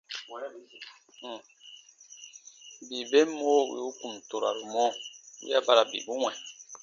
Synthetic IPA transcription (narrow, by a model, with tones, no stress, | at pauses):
bi˨be˦mo˦˨wḭ˨˦u˦ku˨m˨to˨ɾa̰˨ɾu˨mɔ˦wḭ˦a˦ba˦ɾa˨bḭ˨bu˦wɛ̃˨